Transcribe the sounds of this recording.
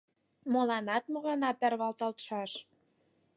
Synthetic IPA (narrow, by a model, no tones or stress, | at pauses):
molɑnɑt̪moɣɑnɑt̪ːærβɑlt̪ɑlt̪ʃɑʃ